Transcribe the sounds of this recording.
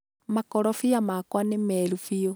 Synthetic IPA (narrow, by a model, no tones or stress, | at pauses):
makoɾɔfijamakwanemelufijo